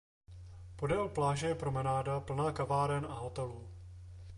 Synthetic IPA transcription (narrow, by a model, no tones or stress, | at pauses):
po̞dɛlplaːʒɛjɛpɾo̞mɛnaːdapl̩naːkavaːɾɛnaɦot̪ɛlu